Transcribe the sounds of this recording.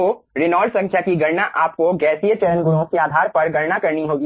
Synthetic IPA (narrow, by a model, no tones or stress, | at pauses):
oɾɪnɔːɽsɐ̃ŋkʰjakiɡɐɾnaʔaːp̚koɡɛːsijət͡ʃɐɾənɡʊɾõkeaːd̪ʱaːɾpɐɾɡɐɾnakɐɾniɦoːɡi